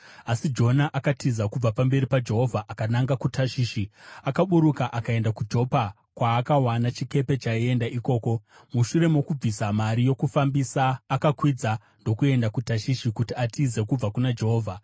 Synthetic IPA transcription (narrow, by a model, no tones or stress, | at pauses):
asid͡ʒo̞naʔakatʰizakub͡vapambe̞ɾipad͡ʒe̞ɦo̞vʱaʔakanaŋɡakutʰaʃiːʃiakaɓuɾukaʔakae̞ndakud͡ʒo̞pa | kwaːkawanat͡ʃike̞pe̞t͡ʃaie̞ndaʔiko̞ːko̞ | muʃure̞mokub͡visamaɾijo̞kufambisaːkakwid͡za | ndo̞kue̞ndakutaʃiʃikutiatʰize̞kub͡vakunad͡ʒe̞ɦoːvʱa